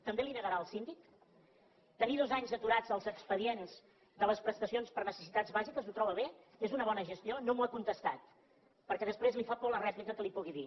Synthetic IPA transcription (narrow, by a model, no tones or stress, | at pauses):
t̪əmbelinəɣəɾaəlˠsind̪ik | t̪əniðozaɲzət̪uɾad͡zəlˠzəkspəðienz̥ | d̪ələspɾəst̪əsionspəɾnəsə̥sit̪ad͡zβazikəzut̪ɾɔβəβe | ezunəβ̞ɔnəʒəst̪ionomuakunt̪əst̪at̪̚ | pəɾkɛðəspɾezlifapɔlərɛzmit̪əkəlipuɣiði